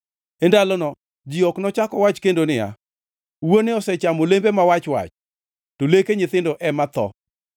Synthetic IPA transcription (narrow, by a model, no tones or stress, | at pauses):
endalɔnɔ | d͡ʒiɔknɔt͡ʃakɔwat͡ʃkendonɪja̰ | wonɪɔsɛt͡ʃamolembemawat͡ʃwa̰t͡ʃ | tolekeɲɪt̪ɪndɔʔɛmat̪ɔ̰